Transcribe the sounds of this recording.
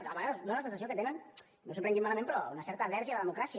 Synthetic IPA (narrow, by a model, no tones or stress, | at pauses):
t̪aβeɣaðozd̪onlasensasjoket̪enen | nos̬umpɾeŋɡ̪imalamẽmpɾɔunasɛɾt̪aːlɛɾʒialaðemukɾasi